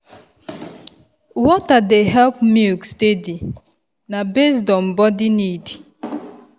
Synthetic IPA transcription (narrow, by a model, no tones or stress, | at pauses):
wɔtadeɦɛlpmikstedi | nabesdɔm̩bɔdinidi